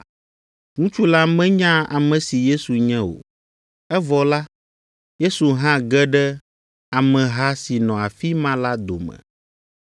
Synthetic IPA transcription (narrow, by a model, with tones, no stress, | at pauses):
ŋũ˦t͡ʃu˦la˦mɛ̃˦ɲã˦a̰˨mɛ̃˨si˨je˦su˨ɲɛ̃˦o̰˨ | ɛ˦vɔ˨la˦ | je˦su˨ɦã˦ɡɛ˦ɖɛ˦ | a˨mɛ̃˨ɦa˦si˨nɔ̃˨a˨fi˦mã˦la˦d̪o˨mɛ̰̃˨